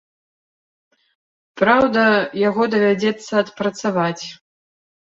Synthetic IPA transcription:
pɾawd̪ɐjaɣɔd̪ɐvʲad͡zʲɛt̪sːɐːt̪pɾɐt̪savat͡sʲ

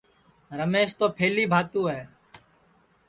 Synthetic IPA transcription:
ɾəmeːʃt̪oːpʰeːliːbʱaːt̪uːɦɛː

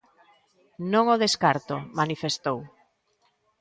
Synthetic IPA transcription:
nõŋoðeskaɾt̪omanifest̪ow

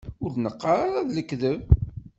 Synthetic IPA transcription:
ʊɾnəqːaɾaɾaðləkːðəv

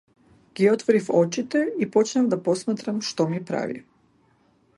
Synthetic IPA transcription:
ɡ̥iot̪ʋoɾifo̞t͡ʃit̪eipo̞t͡ʃnamd̪apo̞smat̪ɾamʃt̪omipɾa̰ʋḭ

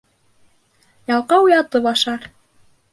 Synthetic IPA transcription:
jɑlˠqɑwujɑt̪ɤβɑʃɑɾ

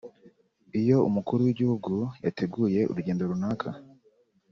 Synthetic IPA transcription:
ijo̞ṵmukuɾuwiɟihuɡujatʰe̞ɡuːje̞ʔṵɾuɟe̞ːndoɾunaːkʰa̰

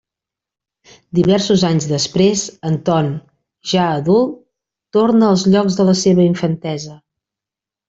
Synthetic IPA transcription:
d̪iβɛɾsuzaɲzðəspɾezənt̪ɔn | ʒaəðulˠt | t̪ornəːlˠzʎɔɡzðələseβəiɱfənt̪ɛzə

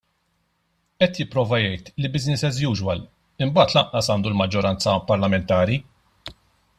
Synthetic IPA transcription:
ɛt̪jɪpːɾɔːvɐjɛjt̪libɪznɪsɛzjuːʒwɐl | ɪmbɐːt̪lɐʔʔɐsɐːnd̪ulmɐd͡ʒːɔɾɐnt͡sɐpɐɾlɐmɛnt̪ɐːɾi

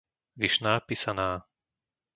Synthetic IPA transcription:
ʋiʃnaːpiːsanaː

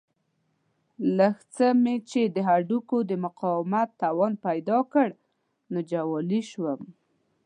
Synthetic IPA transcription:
ləxt͡səmet͡ʃed̪əɦaɖukod̪əmʊqɑwɪmat̪ːawɔnpajd̪ɑkəɽ | nod͡ʒawɔliʃwəm

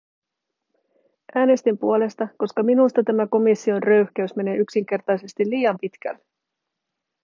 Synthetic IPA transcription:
ʔæːne̞st̪impuo̞le̞st̪ɑko̞skɑminust̪ɑt̪æmæko̞misːio̞nrø̞ɥçk̟æysme̞ne̞ːyksiŋk̟e̞rt̪ɑjse̞st̪ilːiːjɑmpit̪k̟æ̰lːe

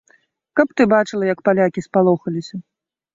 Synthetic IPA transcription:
kɐp̚t̪ɨbat͡ʂɨlˠɐjɐkpalʲakʲispalˠɔxɐlʲisʲɐ

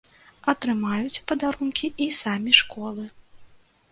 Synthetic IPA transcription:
ɐt̪ɾɨmajut͡sʲpɐd̪aɾunkʲiisamʲiʂkɔlˠɨ

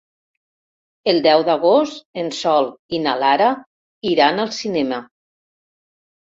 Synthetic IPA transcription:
elˠd̪ɛwd̪aɣost̪ensɔlˠinalaɾa | iɾanalˠsinɛma

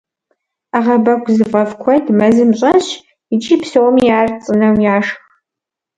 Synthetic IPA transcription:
aʁɐbɐkʷzɨfʼɐfkʷʰɔdmɐzɨmɕʼɐɕ | it͡ʃʼiːpsowɔmiaːrt͡sʼɨnɐwjaːʂx

